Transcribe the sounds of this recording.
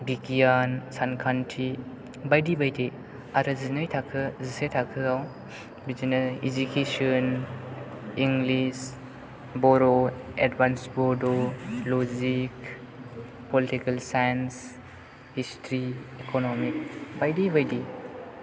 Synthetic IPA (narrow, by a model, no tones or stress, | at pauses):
bikijansankʰantʰɾi | bajdibajde | aɾɯzinɯjtʰakʰɯzisetʰakʰɯaw | bid͡ʒinɐḭd͡ʒukesion | iŋɡlis | bɔɾoedbansbodolod͡ʒik | politikɐlsajans | histɾiekonomik̚bajdibajdi